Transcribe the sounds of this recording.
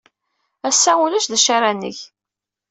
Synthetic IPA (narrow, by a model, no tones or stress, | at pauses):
æsːæulæʃðəʃaɾanə̰ç